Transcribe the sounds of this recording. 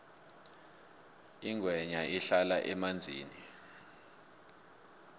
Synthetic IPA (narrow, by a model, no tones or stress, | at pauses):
iŋʱwɛɲaiɬalaʔɛmand͡zʱiːni